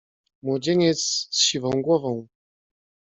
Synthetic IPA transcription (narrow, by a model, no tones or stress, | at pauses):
mwɔd͡ʑeɲɛt̪ssɕivɔ̃w̃ɡwɔvɔ̃w̃